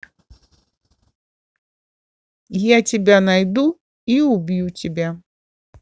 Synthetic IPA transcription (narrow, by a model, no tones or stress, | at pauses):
jat͡sʲɛbʲanajd̪u | iubʲjut͡sʲɛbʲa